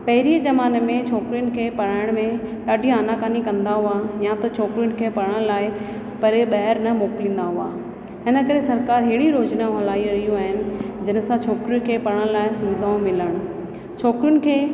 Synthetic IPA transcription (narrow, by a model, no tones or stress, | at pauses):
pɐɦɪɾizɐʋaːnəmẽt͡ɕʰɔːkɾiʊnɪ̆kʰeːpɐɾaːɪɽ̃mẽɗaːɖʱiaːnakaːnikɐ̃nd̪aɦuajãt̪ɐt͡ɕʰɔːkɾijʊɽ̃ɪ̆kʰeːpɐɽə̃ɽ̃laːɪ | pɐɾeɓɐɦəɾnɐmoːklĩːn̆d̪aɦua̰ː | ɦɪnə̆kɐɾesɐɾkaːɾɦɪːɽiɾoːd͡ʑnãɦɐlaːiɾɐɦijuaːɦɪnɪ̆d͡ʑɐnə̆sãt͡ɕʰɔːkɾijʊ̃nkʰeːpɐɽəɽ̃laːɪsʊʋɪd̪ʱaːũmɪləɽ̃ | t͡ɕʰɔːkɾjʊnɪ̆kʰeː